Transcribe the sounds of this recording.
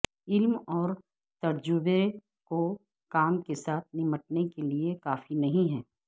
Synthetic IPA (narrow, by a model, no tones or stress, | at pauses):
ɪlmɔːɾ | t̪ɐɾd͡ʒʊbe | ko | kaːmkesaːt̪̚ʰnɪməʈ̚nekeliekaːfinɐɦĩɦɛː